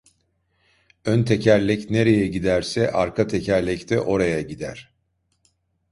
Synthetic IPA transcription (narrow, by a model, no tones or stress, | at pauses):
ønt̪ʰe̞cʰæɾlʲɛcne̞ɾe̞jɛɟid̪æɾsɛʔaɾkʰat̪ʰecʰæɾlʲɛct̪ʰɛʔo̞ɾajaɟid̪æɾ̥